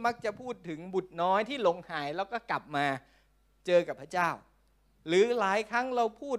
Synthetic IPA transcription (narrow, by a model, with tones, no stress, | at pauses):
ma˦˥k̚t͡ɕa˨˩pʰuː˥˩t̪ʰːɯ˩˦ŋbu˨˩t̪̚nɔː˦˥jt̪ʰiː˥˩lo˧ŋhaː˩˦jlɛː˦˥wkɔː˥˩kla˨˩p̚maː˧ | t͡ɕɤː˧ka˨˩pʰːɾa˦˥t͡ɕaː˥˩w | ɾɯː˨˩˦laː˨˦jkʰɾa˦˥ŋɾa˧wpʰuː˥˩